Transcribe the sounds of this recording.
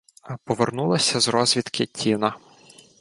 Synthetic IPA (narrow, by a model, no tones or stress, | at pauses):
ɐpɔʋernulˠɐsʲɐzɾɔzʲʋʲit̪kɪtʲʰinɐ